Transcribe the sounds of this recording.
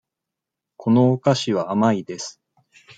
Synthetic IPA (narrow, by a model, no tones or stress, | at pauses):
kʰo̞no̞ːkaɕiβ̞aːmaid̪e̞sɨ̥